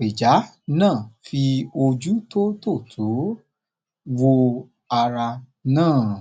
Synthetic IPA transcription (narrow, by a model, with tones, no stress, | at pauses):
e˨d͡ʒa˨˦ | nãː˦˨fi˧o˧d͡ʒu˦to˦to˦˨tʰu˨˦ | wo˧ | a˧ɾa˧ | nãː˦˨